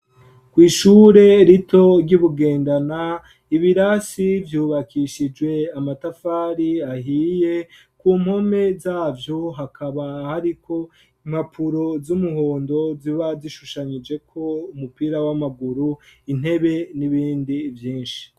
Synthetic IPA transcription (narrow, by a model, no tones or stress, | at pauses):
kwiːʃuːɾe̞ɾitʰo̞ɾɟuβuɡe̞ːndana | iβiɾasivjuːβakʰiʃid͡ʒwe̞amatafaːɾiahiːje̞ | kuːm̥ho̞me̞zaːvjo̞ɦakʰaβahaɾikʰo̞ | im̥hapʰuɾo̞zumuɦo̞ːndo̞ziβaziʃuʃaɲid͡ʒe̞kʰo̞umupiːɾawamaɡuɾuin̥he̞βe̞niβiːndivjiːnʃi̥